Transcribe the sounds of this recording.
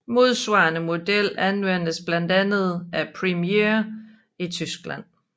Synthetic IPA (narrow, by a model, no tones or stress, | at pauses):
mo̝ð̞ˠsʋɑ̈ːnəmo̝d̥el̰ænʋen̰əsb̥lænd̥ænð̞̩ˠʔæpʰʁimieɐ | it͡sʰysɡ̥læ̰n̰